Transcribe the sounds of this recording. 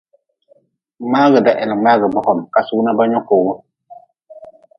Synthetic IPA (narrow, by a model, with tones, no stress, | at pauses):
ma˦ɣə˨da˨ʔɛ˨nə˨ma˦ɣə˨bɔ˦˨kɔ˨mka˨su˦na˦ba˦ɲɔ̃˦ko˨ɡo˦